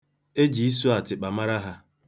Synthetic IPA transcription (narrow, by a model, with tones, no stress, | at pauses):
e˦d͡ʒi˨i˦s̬u˦a˨tɪ˨k͡pa˨ma˦ɾa˦ɦa˦